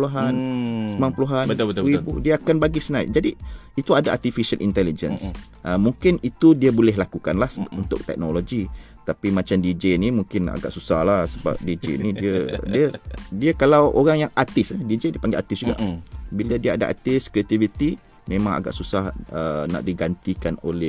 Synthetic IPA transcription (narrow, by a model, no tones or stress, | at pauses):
pluɦansəmaŋpəluɦanəibudiəakanbaɡisənaj̰d͡ʒadiit̪uadaʔat̪ifiʃalʔḭnt̪ɛlid͡ʒə̰ns | ʔəmuŋkɪnit̪udiəbolɛɦlakukanlahsunt̪ʊk̚t̪ɛ̰k̚noloɡi | t̪apimat͡ʃamdid͡ʒenimuŋkɪna̰ɡa̰ʔsusahlahsəba̰p̚did͡ʒḛnidiədiədiəkalawo̰ɾaŋjaŋat̪ɪsadid͡ʒediəpaŋɡeat̪ɪsd͡ʒuɡa̰ʔbiladiəa̰da̰ʔa̰t̪ɪskɾiat̪ivit̪i | mẽmãŋa̰ɡa̰ʔsusahəna̰ʔdiɡant̪ikanolɛ